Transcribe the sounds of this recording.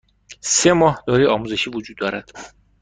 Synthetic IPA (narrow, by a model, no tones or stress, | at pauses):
semɒːhd̪̥ɒːɾiɒːmuːze̞ʃiːvod͡ʒuːd̪ːɒːɾæd̪̥